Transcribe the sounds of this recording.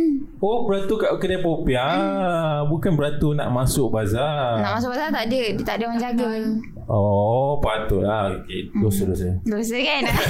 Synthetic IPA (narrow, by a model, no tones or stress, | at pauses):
obəɾat̪ukaʔkədapopia | bukanbəɾat̪unã̰ʔmãsʊʔ̚bazaaʔmas̬ʊʔbazat̪aʔdədt̪aʔdəmaɲd͡ʒaɡə | ɔpat̪ʊʔlaokedosədosədosəkan